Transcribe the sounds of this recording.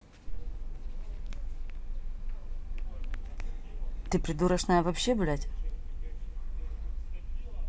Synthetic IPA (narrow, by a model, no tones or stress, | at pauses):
t̪ɨpɾʲɪd̪uɾəʂnajəvɐpɕːebʊlʲatʲ